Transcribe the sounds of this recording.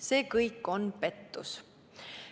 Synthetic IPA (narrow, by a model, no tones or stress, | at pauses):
se̞ːkɤjkːˑo̞npe̞t̪ːṵs